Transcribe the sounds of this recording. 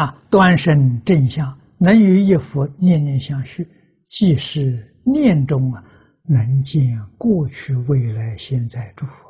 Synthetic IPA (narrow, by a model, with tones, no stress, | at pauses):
t̪wa˥nʂə˥nʈ͡ʂə˥˧nɕjɑ˥˩ŋ | nə˧˥ny˧˥ji˥˩fu˧˥njɛ˥˧nnjɛ˥˧nɕjɑ˥˧ŋɕy˥˩ | t͡ɕi˥˧ʂɻ̩˥˩˧ | njɛ˥˧nʈ͡ʂʊ˥˩ŋɐ˩ | nə˧˥nt͡ɕi˥˧nkwɔ˥˧t͡ɕʰy˥˧we˥˩ɪla˧˥ɪɕjɛ˥˧nt͡sa˥˧ɪʈ͡ʂu˥˩fu̥˧˥